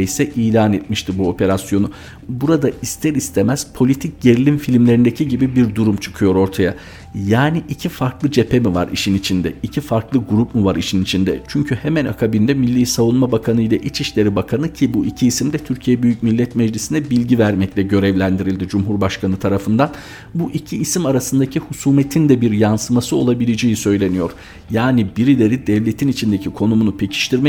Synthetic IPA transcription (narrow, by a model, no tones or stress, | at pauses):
ejsɛʔiːlʲaːnɛt̪̚miʃt̪ʰibuo̞pʰe̞ɾasjo̞nʊ | buɾad̪aist̪ʰɛɾist̪ʰemæz̥pʰo̞lʲit̪ʰic̚ɟe̞ɾilʲimfilʲimlʲe̞ɾind̪ecʰiɟibibiɾd̪uɾumt͡ʃʰɯ̥kʰɯjo̞ɾo̞ɾt̪ʰaja | jaːniʔicʰifaɾklˠɯd͡ʒe̞pʰemiva̰ɾḭʃinit͡ʃʰind̪ɛicʰifaɾklˠɯɡuɾupmuvaɾiʃinit͡ʃʰind̪ɛ̰t͡ʃʰyɲcʰyhemɛna̰kʰabind̪ɛmilʲːiːsavunmabakʰanɯjlʲaʔit͡ʃiʃlʲe̞ɾibakʰanɯcʰibuʔicʰiːsimd̪ɛt̪ʰyɾcʰijɛbyjycmilʲːɛt̪mɛd͡ʒlʲisinɛbilʲɟivæɾmɛclʲɛɟø̞ɾɛvlʲænd̪iɾilʲd̪id͡ʒumɦuɾbaʃkʰanɯt̪ʰaɾafɯnd̪an | buʔicʰiːsimaɾasɯnd̪acʰihusuːmet̪ʰind̪ɛbiɾjansɯmasɯo̞lˠabilʲed͡ʒejisø̞jlʲe̞nijo̞ɾ̥ | jaːnibiɾilʲe̞ɾid̪ɛvlʲe̞t̪ʰinit͡ʃʰind̪ecʰikʰo̞numunupʰecʰi̥ʃt̪ʰiɾmɛ